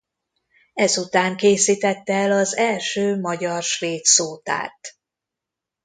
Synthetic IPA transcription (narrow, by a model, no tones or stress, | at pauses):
ɛzut̪aːŋkeːsit̪ɛt̪ːɛɛlɒzɛlʃøːmɒɟɒrʃʋeːt̪soːt̪a̰ːt̪